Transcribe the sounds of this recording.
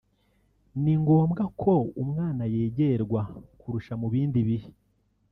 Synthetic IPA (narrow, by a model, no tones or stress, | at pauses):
niŋɡo̞ːmɡakʰo̞umŋaːnajeːɟeɾɡwakuɾuʃamuβiːndiβihi